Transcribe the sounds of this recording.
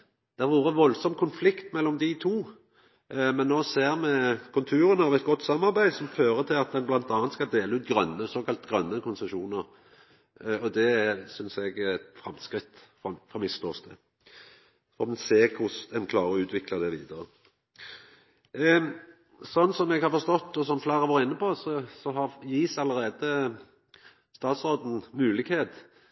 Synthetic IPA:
d̪̥æɾʋuːɾʁəʋɔlsɔmkʰʊnflɪkt̪mɛlːɔmd̪ɪt̪ʰuː | mɛnːoːseːʁmɛkʰʉlt̪ʰʉːɾənəɑːʋɛt̪̚ɡɔt̪ːsɑmːɑʁbæɪd̪sɔmføːɾət̪ʰɪlɑt̪̚d̪ɛnblɑnt̪ɑːɑnt̪skɑld̪eːləʉːt̪ɡɾœnːəsoːkʰɑlt̪ɡɾœnːəkʰʊnsɛʃuːnəʁ | ɔd̪ɛæsʏnsɛɡt̪fɾɑmskɾɪt̪ːfɔfɔmɪst̪ʰɔːsd̪ɛ̰ | fɔmɛnseːkʰʊsd̪ɛnkʰlɑːʁəɔʉːt̪ʋɪkləd̪ɛʋiːd̪əɾə | sɔnːsɔmɛɡhɑʁfɔɾst̪ɔt̪ːɔsɔmflæːʁəʋoːɾəɪnːəposɔsɔɦɑʁjiːsɑlːəɾeːd̪ə | st̪ɑːt̪sɾoːd̪n̩mʉːlɪɡheːt̪

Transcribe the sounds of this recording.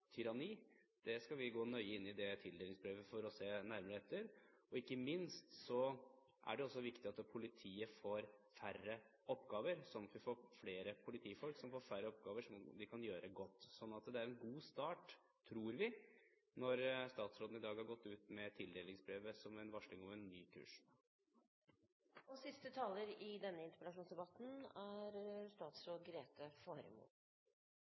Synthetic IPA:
t̪ʰʏɾɑniːd̪̥ɛskɑlʋɪɡoːnœʏəɪnːɪd̪ɛt̪ʰɪld̪eːlɪŋsbɾeːʋəfɔɾɔseːnæɾməɾəɛt̪ːəɾɔɪkːəmɪnst̪sɔ | ʔæ̰ɖɛɔsːɔʋɪkt̪ɪɑt̪ːpʰʊlɪt̪ʰiːəfoːɾfærːə | ɔpːɡɑːʋəɾsɔmt̪ʋɪfoːɾfleːɾəpʰʊlɪt̪ʰiːfɔlksɔmfoːɾfæɾːəɔp̚ɡɑːʋəʂɔmd̪ɪkʰɑnjøːɾəɡɔt̪ːsɔnːɑt̪d̪ɛæɾɛnɡuːst̪ɑːʈ | t̪ʰːɾuːɾʋɪ | nɔɾst̪ɑːt̪sɾoːd̪n̩ɪd̪ɑːɡhɑɾɡɔt̪ːʉːt̪mɛt̪ʰɪld̪eːlɪŋsbɾeːʋəsɔmɛnʋɑʂɭɪŋɔmɛnːyːkʰʉ̰ːʂ | ɔsɪst̪ət̪ʰɑːləɾɪd̪ɛnːəɪnt̪əpəlɑʂuːnsd̪ɛbɑt̪n̩æɾst̪ɑːt̪sɾoːd̪ɡɾeːt̪əfoːɾə̰mṵː

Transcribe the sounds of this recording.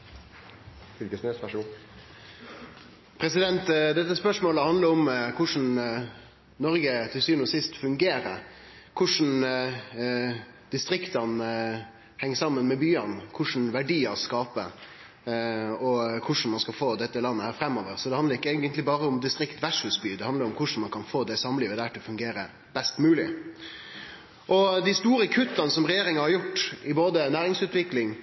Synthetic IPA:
fɪlkəsnøspæʂu | pʰɾɛsɪd̪ɛnt̪d̪ɛt̪ːəspœʂmoːləhɑnd̪ləɾʊmkʰʊʂn̩ | nɔɾɡət̪ʰɪlsyːʋnɔsɪst̪fʉŋɡeːɾə̰ | kʰʊʂn̩ | d̪̥ɪst̪ɾɪkt̪ɑn | hɛŋːsɑmːənmɛbyːɑnkʰʊʂn̩ʋæɖiːəskɑːpə̰ | ɔkʰʊʂn̩mɑnskɑfoːd̪ɛt̪ːəlɑnːəhæːɾfɾɛmːoːʋəɾsɔd̪ɛhɑnd̪əɾɪkːɛːɡənt̪lɪbɑːɾəʊmd̪ɪst̪ɾɪkt̪ʋæʂʉsbyːd̪ɛhɑnd̪əɾɔmkʰʊʂn̩mɑnkʰɑnfoːd̪ɛsɑmliːʋəd̪æːʈʰɪlɔfʉŋɡeːɾə | b̥ɛst̪mʉːlɪ̰ | ʔɔd̪ɪst̪uːɾəkʰʉt̪ːɑnsɔmɾɛjeːɾɪŋɑhɑɾjʊʈːɪboːd̪ənæːɾɪŋsʉːt̪ʋɪklɪŋ

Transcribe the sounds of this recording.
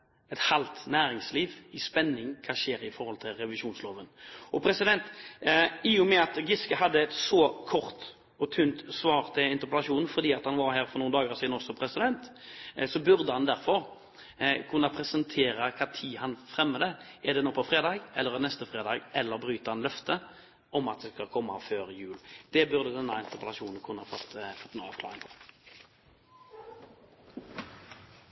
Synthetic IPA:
ɛt̪hɑlt̪næːɾɪŋsliːʋɪspɛnːɪŋkʰɑːʃeːɾɪfɔɾhɔlt̪ʰɪlɾɛʋɪʃuːnsloːʋənɔpʰɾɛsɪd̪ɛnt̪ | ɪjʊmɛɑt̪ɡɪskəɦɑd̪ːəɛt̪sɔkʰɔʁt̪ | ɔt̪ʰʉnt̪sʋɑːɾt̪ʰɪɪnt̪əpɛlɑʃuːnn̩fɔʁd̪iːɑt̪hɑnʋɑɾhæːɾfɔɾnuːnd̪ɑːɡəɾɑsiːd̪nɔsɔpʰɾɛsɪd̪ɛnt̪sɔbʉɾd̪əhɑnd̪æɾfɔɾ | kʰʉnːɑpʰɾɛsənt̪ʰeːɾɑkʰɑːt̪ʰiːhɑnfɾɛmːəd̪əʔɛʁd̪ɛnɔːpʰɔfɾeːd̪ɑːɡɛlːəɾnɛst̪əfɾeːd̪ɑːɡɛlːəɾbɾyːt̪əhɑnlœft̪ʰə | ɔmɑt̪̚d̪ɛskɑkʰɔmːɑ̰føːʁjʉːld̪̥ɛbʉʁd̪əd̪ɛnːɑɪnt̪əʁpəlɑʃuːnn̩kʰʉnːɑfɔt̪ːfɔt̪ːnʊɑ̰ːʋkʰlɑ̰ːʁɪŋpʰɔ

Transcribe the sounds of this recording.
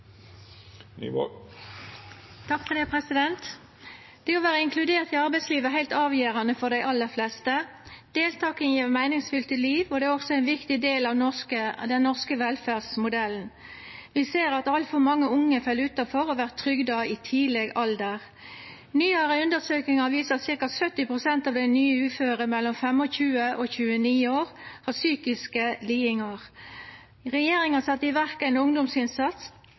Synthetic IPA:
n̰ː | t̪ʰɑkfɔd̪eːpʰʁɛsɪd̪ɛnt̪ | d̪̥ɛoːʋæːʁəɪŋkʰlʉd̪eːʁt̪ɪɑʁbæɪsliːʋəɦæɪlt̪ɑːʋjeːʁɑnəfɔʁd̪æɪʔɑlːəʁflɛst̪ə | d̪̥eːlt̪ʰɑːkənjiːʋəmæɪnɪŋsfʏlt̪əliːʋɔd̪ɛæːʁɔɡsɔæɪnʋɪkt̪ɪd̪eːlɑʋnɔskəd̪ɛnːɔʁskəʋɛlfæʁsmʊd̪ɛln̩ | ʋɪseːɾɑt̪ɑlt̪fɔɾmɑŋːəʊŋːəfɛlʉːt̪ɑfɔɾɔʋæːʁt̪ʰɾʏɡd̪ɑɪt̪ʰiːlɛɡɑld̪əʁ | nyːɑɾəʉnd̪əsøːknɪŋɑʋiːsəsɪʁkɑsœt̪ːɪpʁʊsɛnt̪ɑːʋd̪ɛnyːəʉːføːɾəmɛlːɔmfɛmɔçʉːəʔoçʉːəniːoːʁhɑsyːkɪskəliːɪŋɑʁ | ʁɛjeːɾɪŋɑsɑt̪ːəɪʋæʁkɑæɪnʊŋd̪ɔmsɪnsɑt̪s

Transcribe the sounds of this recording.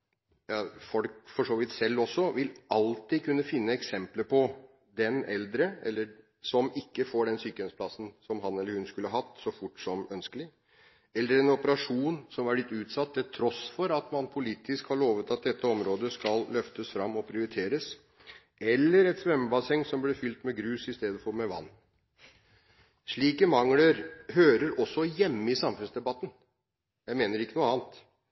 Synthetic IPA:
jɑfɔlkfɔʂoːʋɪt̪sɛlːɔsːɔʋɪlʔɑlt̪ikʰʉnːəfɪnːəɛksɛmpləpʰɔ | d̪ɛnɛld̪ɾəɛ̰lːə | sɔmɪkːəfoːɖɛnsyːkəɛnspʰlɑsn̩sɔmɦɑnɛlːəɾhʉnskʉləhɑɦɑt̪ːsɔfʊʈːsɔmœnskəlɪ | ɛlːəɾɛnɔpəɾɑʂuːnsɔmʋɑblɪt̪ːʉːt̪sɑt̪ːɛt̪ʰɾɔsfɔɾɑt̪mɑnpʰʊliːt̪ʰɪskhɑɭoːʋət̪ɑt̪̚d̪ɛt̪ʰːəɔmɾoːd̪əskɑllœft̪əsfɾɑmːɔpʰɾɪʊɾɪt̪ʰeːɾəs | ɛlːəɾɛt̪sʋɛmːəbɑsɛŋːsɔmblɛfʏlt̪mɛɡɾʉːsɪst̪eːd̪əfɔɾmɛʋɑ̰nː | ʂɭiːkəmɑŋːləɾhøːɾəɾɔsːɔjɛmːəɪsɑmfʉnsd̪ɛbɑt̪ːən̩ | jæɪmeːnəɾɪkːənuːɑːnt̪

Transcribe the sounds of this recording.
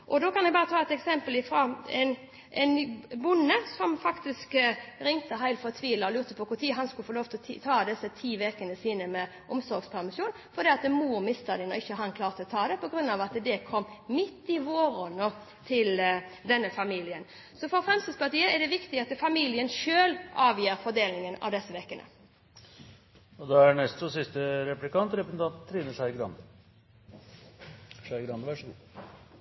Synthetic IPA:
ʔɔd̪oːkɑnjɛbɑːɾət̪ʰɑːɛt̪ɛksɛmpəlɪfɾoɛn | ʔɛnbʊnːəsɔmfɑkt̪ɪskɾɪŋt̪əɦæɪlfɔt̪ʰʋiːləɔlʉːɾt̪əpʰɔkʊɾt̪ʰiːɦɑnskʉləfoloːʋt̪ʰɪlɔt̪ʰɑːd̪ɛsːət̪ʰiːʋeːkənəsiːnəmɛ | ʔɔmsɔɾɡspʰæʁmɪʂjuːnfɔʁd̪iːɑt̪̚əmuːɾmɪst̪ɑd̪ɪnɔ̰ɪçːəɦɑnkʰlɑːʁt̪ʰəlɔt̪ʰɑːd̪ɛpɔɡʁʉnːɑʋɑt̪d̪ɛkʰɔmːmɪt̪ːɪʋoːɾɔnə | t̪ʰɪld̪ɛnːəfɑmiːlɪən | sɔfɔɾfʁɛmst̪əspɑʁt̪iːəɛɖ̪ɛʋɪkt̪ɪɑt̪ːfɑmiːlɪənʃøːlʔɑːʋjiːɾfɔʁd̪eːlnɪŋənɑ̰ʋd̪ɛsːəʋekːənə̰ | ɔd̪ɛæɳɛst̪sɔsɪst̪əɾɛplɪkɑnt̪ɾɛpɾəsənt̪ʰɑnt̪t̪ʰːɾiːnəʂæɪɡɾɑ̰nd̪ə | ʂæɪɡɾɑnd̪əʋæʂɡu

